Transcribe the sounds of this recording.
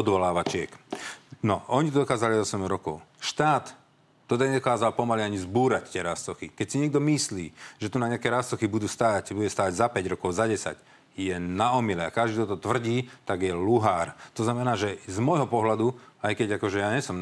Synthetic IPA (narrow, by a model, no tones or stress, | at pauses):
ɔd̪ʋɔlaːʋat͡ʃɪɛknɔʔɔɲit̪ɔd̪ɔkaːzaliɔsɛmɾɔkɔ̰ʊʃt̪aːt̪ː | ɔd̪aɲɛd̪ɔkaːzalpɔmaliaɲizbuːɾac̚t̪ɪɛɾast̪ɔxikɛcsiɲɪɛɡ̚d̪ɔmisliːʒɛt̪unaɲɪakɛɾast̪ɔxibud̪uːst̪aːcbuɟɛst̪aːʋaɟzapɛɟɾɔkɔʊzaɟɛsa̰c | jɛnaɔmilɛa̰kaʒd̪iːt̪ɔt̪ɔt̪ʋr̩ɟiːt̪aɡjɛluɦaːɾt̪ɔznamɛnaːʒɛzmɔjɦɔpɔɦlad̪uajkɛɟakɔʒɛjaɲɛsɔm